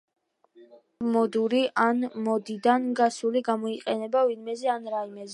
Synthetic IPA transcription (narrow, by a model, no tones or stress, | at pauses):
mɔd̪uɾiʔanmɔd̪id̪anɡasuliɡamɔiqʼɛnɛbavinmɛzɛanɾaimɛzɛ